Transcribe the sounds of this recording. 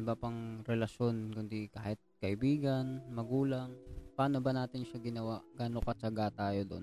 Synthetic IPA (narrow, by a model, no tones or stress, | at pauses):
ɪbapɐŋɾɛlɐʃo̞nkʊnd̪ikaːhɪt̪̚kɐʔɪbiːɡɐnmɐɡuːlɐŋpaːno̞bɐnaːt̪ɪnʃɐɡɪnɐwaʔɡaːnokɐt͡ʃɐɡat̪aːjo̞d̪on